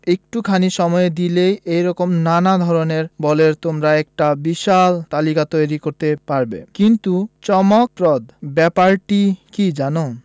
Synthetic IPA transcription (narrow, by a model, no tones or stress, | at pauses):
ek̚ʈukʰaniʃɔmɔed̪ilejʔejɾɔkomnanad̪ʱɔɾoneɾbɔleɾt̪omɾaɛk̚ʈabiʃalt̪alikat̪ojɾikoɾt̪epaɾbḛkint̪ut͡ɕɔmok̚pɾɔd̪bɛpaɾʈikid͡ʑano